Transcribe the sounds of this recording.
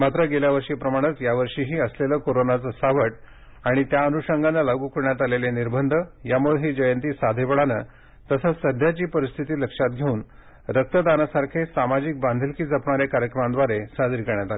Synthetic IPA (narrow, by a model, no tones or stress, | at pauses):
mat̪ɾəɡeljaʋəɾʂiːpɾəmaɽ̃ət͡sjaʋəɾʂiːɦiːəsleləkoɾonat͡səsaʋəʈ | aɽ̃it̪jaənuɕəŋɡanːalaɡuːkəɾɳjat̪aleleniɾbʱənd̪ʱəjamuɭeɦed͡ʑəjənt̪iːsad̪ʱeʋəɭanə | t̪əsat͡ssəd̪ʱjat͡ɕiːpəɾist̪ʰit̪iːləkʂat̪̚ɡʱeuːn | ɾək̚t̪əd̪anasaɾkʰesamad͡ʑik̚band̪ʱilkiːd͡zəpɳaɾekaɾjəkɾəmãnd̪ʋaɾesad̪iɾkəɾɳjat̪alee